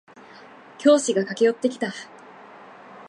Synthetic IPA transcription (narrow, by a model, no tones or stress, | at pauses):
kʲo̞ːɕiɡakakʲejo̞t̪ːe̞kʲi̥t̪a